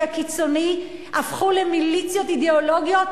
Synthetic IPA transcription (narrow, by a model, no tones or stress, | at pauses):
akit͡so̞ni | ʔafχulemilit͡sjot̪id̪eoloɡjot